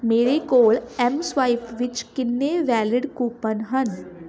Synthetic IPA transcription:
meːɾekoːlɛmsʋaːɪfʰʋɪt͡ʃkɪnːeʋɛːlɪɖkuːpənɦən

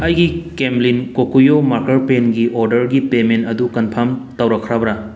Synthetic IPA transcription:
ɐjɡikemblinkokujowmaɾkɐɾpenɡiʔoɾdɐɾɡipementɐdukɐnpʰaɾmtɐwɾɐkʰːɾabɾa

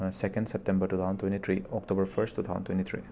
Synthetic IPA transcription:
sɛkə̃nɳɖsɛp̚ʈɛ̃mbəɾʈuːt̪ʰaːzə̃nt̪wɛ̃nʈit̪ʰɾiːɔːk̚ʈoːbəɾfəɾsʈtuːt̪ʰa̰ːzə̰̃nt̪wɛ̃nʈit̪ʰɾḭː

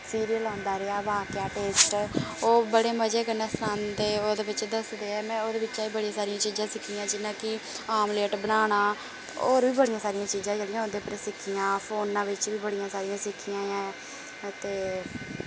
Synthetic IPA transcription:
siːɾiəlɔ̃ːnd̪aːɾeaːʋaːkːaːʈeːsʈoːbəɽeːməd͡ʒeːkənaːsnãːnd̪eːoːd̪eːʋɪt͡ʃd̪əsd̪eːɛːmɛ̃ːoːd̪eːʋɪt͡ʃaːiːbəɽijãːsaːɾijãːt͡ʃiːzãːsɪkʰiːãːd͡ʒɪnːãːkɪ | aːmleːʈbənaːɽ̃aː | oːɾʋiːbəɽijãːsaːɾɪjãːt͡ʃiːzãːt͡ʃəlijãːʊnd̪eːpəɾeːsɪkʰːijãːpʰoːnːãːʋɪt͡ʃʋiːbəɽijãːsaːɾɪjãːsɪkʰːijãːã | t̪eː

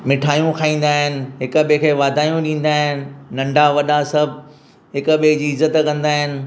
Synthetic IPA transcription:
mɪʈʰaːjũkʰaːĩːn̆d̪aːɦɪnɪ̆ɦɪkəɓekʰeːʋaːd̪ʱaːjũɗĩːn̆d̪aːɦɪnɪ̆nɐ̃ɳɖʱaʋɐɗasɐbʱ | ɦɪkɓed͡ʑiːɪzːət̪kɐ̃nd̪aːɦɪnɪ̆

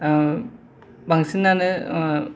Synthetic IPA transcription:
baŋsinːanɯ

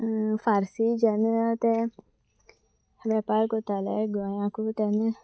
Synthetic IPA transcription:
fʰaɾsid͡ʒɛnt̪ɛ | ʋapaɾkɔt̪alɛɡaj̃ãkut̪ɛn

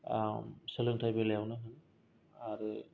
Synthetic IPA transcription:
a̰sɯlɯŋtʰajbelejawnɯɦɯn | aɾɯ

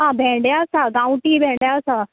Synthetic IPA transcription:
ɦãːbʱẽːɳɖjasãɡãːũʈibʱẽːɳɖjasã

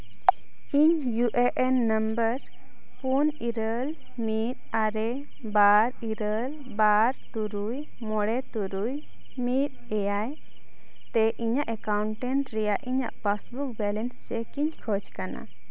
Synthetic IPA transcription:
iɲ | juʔɛʔɛnːəmbəɾ | puniɾəl | mit̪̚ | aɾɛ | baɾiɾəl | baɾt̪uɾuj | mɔɽɛt̪uɾuj | mit̪̚ɛjaj | t̪ɛʔiɲaʔɛkawɳʈɛɳʈɾɛjaʔiɲa̰ʔpasbuk̚bɛlɛnst͡ʃɛkiɲkʰɔd͡ʒkana̰

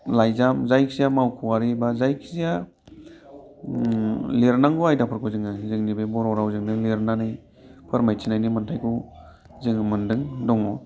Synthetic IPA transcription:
lajzamzajkʰzijamawkʰuwaɾibazajkʰizija | leɾnaŋɡuajdapʰɯɾkʰɔzɯŋɯzɯŋnibebɔɾɔɾawzɯŋnɯleɾnanɯj | pʰɯɾmajtʰinajnimɯntʰajkʰɔ | zɯŋɯmɯndɯŋdɔŋɔ

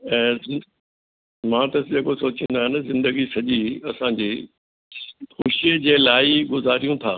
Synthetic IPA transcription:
ɛ̃ɪ̃ | mãːt̪ɐsd͡ʑeːkosoːt͡ɕĩn̆d̪aːɦɪnə̆zɪ̃nd̪əɡisɐʄiɐsãd͡ʑiː | xʊʃied͡ʑeːlaːɪɡʊzaːɾijũt̪ʰaː

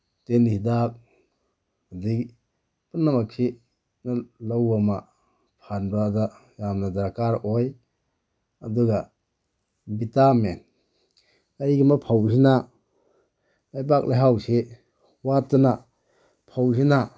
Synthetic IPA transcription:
tenhidak̚ | adiɡ | punːamaksi | nalawama | pʰanbadajamnadɾakaɾoj | ɐduɡa | bitamen | ajɡamapʰawsina | lajbak̚lʔajɦawse | watːana | pʰawsina

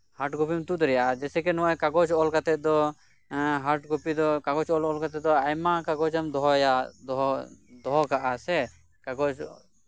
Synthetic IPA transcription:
haɾʈɡɔpimt̪ut̪ɾɛjad͡ʒɛsɛkɛnɔwajkaɡɔt͡ʃɔlkat̪ɛt̪̚d̪ɔ | ɦaɾʈɡopid̪ɔkaɡɔt͡ʃɔlɔlkat̪ɛt̪̚d̪ɔajmakaɡɔt͡ʃamd̪ɔɦjad̪d̪ɔɦɔkaʔasɛ | kaɡɔt͡ʃ

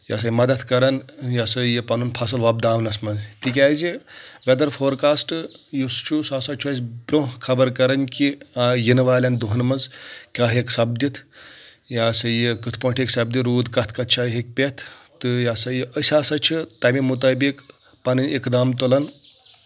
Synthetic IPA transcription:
jas̬ɐmɐd̪ɐt̪kɐɾɐnjasɐjipɐnunpʰɐs̬ɨlʋɐb̚d̪aːʋnɐsmɐzt̪ik̬ʲaːziɡɐd̪ɐɾfʰoːɾkaːsʈɨjust͡ʃʰusaːsɐt͡ʃʰuɐs̬ʲbɾoɦkʰɐbɐɾkɐɾɐnkiajinʋaːlʲɐnd̪uɦɐnmɐzkʲaːɦeksɐb̚d̪it̪ʰjaːsɐjikɨt̪ʰpɐːʈʰeksɐb̚d̪iɾuːd̪kɐt̪ʰkɐt̪̚ʰt͡ʃʰaːɦek̚ʲpʲet̪ʰt̪ɨjaːsɐjiʔəsʲaːsɐt͡ʃʰit̪ɐmimut̪̬ɐːbik | pɐnɨnekd̪aːmt̪olɐn

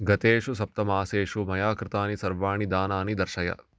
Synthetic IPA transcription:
ɡɐt̪eːʃusɐp̚t̪ɐmaːseːʃumɐjaːkɾɪt̪aːnisɐɾʋaːɳ̃id̪aːnaːnid̪ɐɾʃɐjɐ̰

